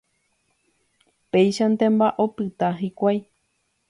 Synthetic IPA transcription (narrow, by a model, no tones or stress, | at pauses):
pejʃant̪ẽmbaʔopɨt̪aɦikʷaj